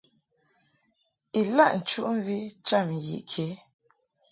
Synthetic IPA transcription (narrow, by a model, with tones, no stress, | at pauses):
i˨la˦ʔn̩˨t͡ʃu˦ʔm̩˦vi˦t͡ʃa˦˨m˨jḭ˨ʔkʰe˨˦